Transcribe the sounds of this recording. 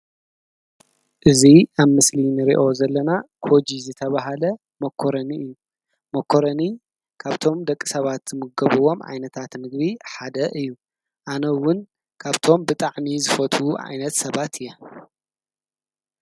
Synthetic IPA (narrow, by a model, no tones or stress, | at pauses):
ʔɨziaβmɨslinɨɾḭʔo̞zɐlːɐnakʰo̞d͡ʒizɨt̪ʰɐβaɦalɐ | mɐkʰːoɾɐniɨjːu | mɐkʰːoɾɐni | kʰaβt̪ʰo̞md̪ɐkʼːi̥sɐβat̪z̥ɨmɨɡɐβɨwo̞mʔa̰jnɐt̪ʰat̪mɨɡβiħad̪ɐʔɨjːu | ʔanɐwʊn | kʰaβt̪ʰo̞mbɨt̪ʼaʕmizɨfɐt̪ʰʼuʔa̰jnɐt̪sɐβat̪ʰɨjːɛ